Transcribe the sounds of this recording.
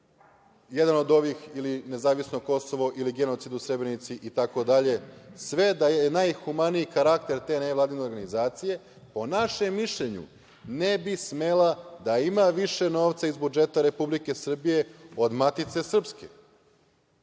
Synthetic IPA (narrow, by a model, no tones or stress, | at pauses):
jed̪ano̞d̪o̞ʋixiline̞zaːʋisnoko̞so̞ʋo̞ʔiliɡe̞no̞t̪sid̪usɾe̞bɾenit̪siʔit̪ako̞d̪aʎe̞sʋe̞d̪ajeenajxumaniikaɾak̚t̪e̞ɾt̪e̞najlˠaːd̪ine̞oɾɡanizaːt̪sije̞ | po̞naʃe̞mːiʃʎe̞ɲṵ | nebisme̞lˠad̪aimaʋiʃe̞no̞ːʋt̪saizbud͡ʒe̞t̪aɾe̞publike̞sr̩bije̞o̞d̪mat̪it̪se̞sr̩pske̞̰